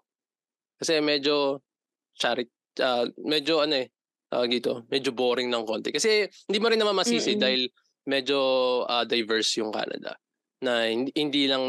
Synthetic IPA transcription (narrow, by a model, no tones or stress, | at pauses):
kɐsɛmɛd͡ʒo̞ | t͡ʃaːɾɪt̪̚ | ʔamɛd͡ʒo̞ʔɐno̞ʔɛ | ʔɐd̪iːt̪o̞mɛd͡ʒoboːɾɪŋnɐŋko̞nt̪ɛkɐsɛhɪnd̪iːmoɾɪnːɐmanmɐsiːsɪd̪aːhɪl | mɛd͡ʒo̞ʔad̪ɐjvɛɹsjʊŋka̰ːnɐ̰d̪ɐ̰ | nɐhɪnhɪnd̪iːlɐŋ